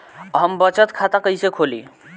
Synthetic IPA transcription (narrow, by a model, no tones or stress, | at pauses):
ɦəmbət͡ʃət̪kʰat̪akəjsekʰolḭ